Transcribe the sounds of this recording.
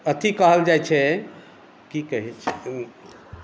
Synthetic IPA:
ət̪ʰikəɦəld͡ʒajt͡ʃʰɛ | kikəɦɛt͡ʃʰ

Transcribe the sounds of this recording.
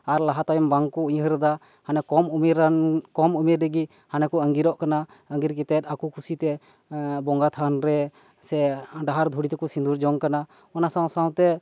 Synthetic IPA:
aɾlaɦat̪ajɔmbaŋkɔuɦəɾd̪a | hanɛkɔmumiɾkɔmumiɾɛɡi | hanɛkɔəŋɡiɾɔʔkana | əŋɡiɾkɛt̪ɛt̪̚akukʰusit̪ɛ | bɔŋɡat̪ʰanɾɛ | sɛɖaɦaɾd̪ʱuɽit̪ɛkɔsind̪uɾd͡ʒɔŋkana | ɔnasaw̃saw̃t̪ɛ

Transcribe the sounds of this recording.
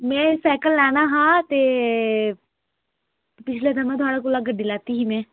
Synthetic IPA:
mɛ̃ːsɛːkəlːɛːnaːɦãːt̪eː | pɪt͡ʃʰleːd̪əmãːt̪ʊaːɽaːkoːlaːɡəɖːiːlaːt̪iːɦiːmɛ̃ː

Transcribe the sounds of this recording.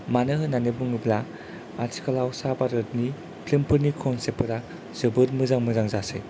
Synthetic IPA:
manɯɦɯnanebɯŋɯbla | aɾtʰi̥kʰalawsabaɾɯɾni | pʰlimpʰɯɾnikʰɔnsepɯɾa | z̥ɯbɯɾmɯzaŋmɯzaŋzasɯ̰j

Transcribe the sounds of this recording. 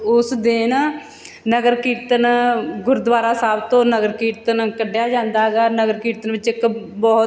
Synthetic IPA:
ʊsd̪ɪn | nəɡəɾkiːɾt̪ənɡʊɾd̪ʋaːɾaːsaːbt̪õːnəɡəɾkiːɾt̪ənkəɖjaːd͡ʒãːnd̪aːɦɡaːnəɡəɾkiːɾt̪ənʋɪt͡ʃɪk | bɔː

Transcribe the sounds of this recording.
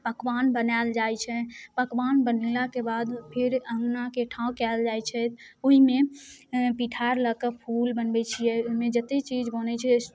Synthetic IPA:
pəkʋanbənald͡ʒajt͡ʃʰɛpəkʋanbənelakebad̪pʰiɾəŋnakeʈʰãkɛld͡ʒajt͡ʃʰɛt̪oɦime | piʈʰaɾləkəpʰulbənbɛt͡ʃʰijɛoɦimẽd͡ʒət̪et͡ʃid͡ʒbənɛt͡ʃʰɛ

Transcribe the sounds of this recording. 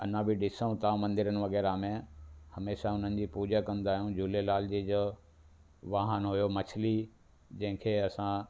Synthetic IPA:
ɐn̤ãbɪɖɪsəũt̪ãmɐ̃nd̪ɪɾənɪ̆ʋɐɣɛːɾamẽhɐmeːʃaʊn̤ənɪ̆d͡ʑipuːd͡ʑakɐ̃nd̪aːɦijũd͡ʑʱuːlelaːld͡ʑid͡ʑo | ʋaːɦənɦʊjomɐt͡ɕʰli | d͡ʑɐ̃ɦɪ̃kʰeːɐsã

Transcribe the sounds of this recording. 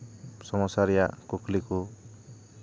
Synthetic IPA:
sʌmɔsaɾjakokʰliko

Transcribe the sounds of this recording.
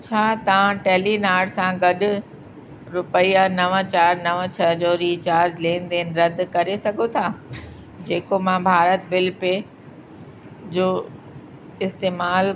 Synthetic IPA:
t͡ɕʰaːt̪ɐʋ̤ãʈɛːlinaːɽsãɡɐɗʊ̆ | ɾʊpəijanɐʋə̃t͡ɕaːɾnɐʋə̃t͡ɕʰɐd͡ʑoːɾiːt͡ɕaːɾd͡ʑlẽːnd̪eːnɪ̆ɾɐd̪ʱkɐɾesɐɡʱot̪ʰaː | d͡ʑeːkomãbʱaːɾət̪̚bɪlpe | d͡ʑoː | ɪst̪eːmaːl

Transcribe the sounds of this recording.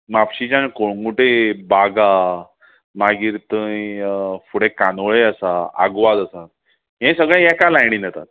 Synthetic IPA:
mapɕit͡ɕãnkoɽŋuʈebaɡa | maɡiːɾt̪ə | fuɽekanʋɭeəsaa̰ɡʋad͡z̪əsat̪̚ | ɦẽsəɡɭ̃jɛkalajɽ̃iːnət̪a̰t̪̚

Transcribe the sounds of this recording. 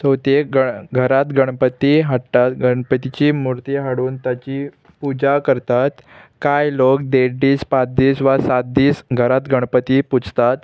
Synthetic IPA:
səwt̪eɡəɡʱəɾat̪ɡəɽ̃pət̪iɦaɽt̪at̪ɡəɳpət̪it͡ɕiːmuɾt̪iːɦaɽuːnt̪jat͡ɕiː | pud͡ʑakəɾt̪at̪kajlok̚d̪eɖiːspat͡s̚d̪iːsʋasat̪̚d̪iːsɡʱəɾat̪ɡəɽ̃pət̪iput͡st̪at̪̚

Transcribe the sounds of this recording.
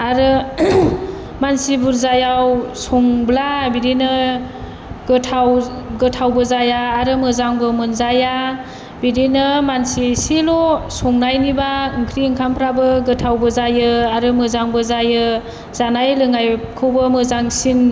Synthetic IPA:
aɾɯ | mansibuɾzajawsɔŋblabiɾinɯ | ɡɯtʰawɡɯtʰawbɯzajaːɾɯmɯzaŋbɯmɯnzaja | bidinɯmansisilɔsɔŋnajnibaɯŋkʰɾiːŋkʰampʰɾabɯɡɯtʰawbɯzajɯaɾɯmɯzaŋbɯzajɯ | z̥anajlɯŋajkʰɯwbɯmɯzaŋsin

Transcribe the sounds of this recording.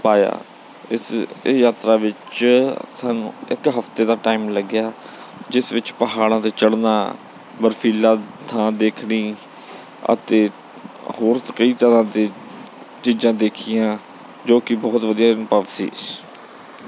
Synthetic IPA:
paːja̰ː | ɪsjaːt̪ɾaːʋɪt͡ʃsaːnṵ̃ːɪ̰kɦəft̪eːd̪aːʈaːimləɡjaː | d͡ʒɪsʋɪt͡ʃpəɦaːɽãːt̪eːt͡ʃəɽnaː | bəɾfʰiːlãːt̪ʰãːd̪eːkʰniː | ə̰t̪eː | hoːɾtkəiːt̪əɾãːd̪eː | t͡ʃiːd͡ʒãːd̪eːkʰijãː | d͡ʒoːkɪbɔːt̪ʋəd̪ijaːnpəʋsḭː

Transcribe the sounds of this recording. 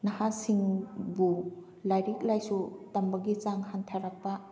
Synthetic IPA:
nɐhasiŋbu | lajɾik̚lajsutɐmbɐɡit͡ʃaŋhantʰaɾak̚pa

